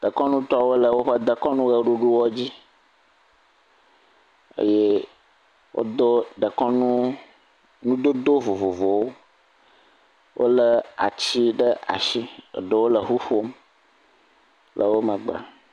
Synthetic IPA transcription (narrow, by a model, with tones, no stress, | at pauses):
ɖ̪̥ə˨kɔ̃˦nũ˦t̪ɔ˦wo˦lə˨wo˦ɸə˦d̪ə˨kɔ̃˦nũ˦ɣə˨ɖu˦ɖu˦wɔ˦d͡ʑi˦ | ḛ˦je˦ | wo̰˦d̪o˦ɖ̪ə˨kɔ˦nũ˦ | nũ˦d̪o˦d̪o˦vo˨vo˨vo˨wo˦ | wʔo̰˦lə˦a̰˨t͡ɕi˦ɖə˦a̰˨ʃi˦ə̰˨ɖə˨wo˦lə˨ɦu˦ɸo˦m | lʔə˨wo˦mə̃˨ɡ͡ba̰˨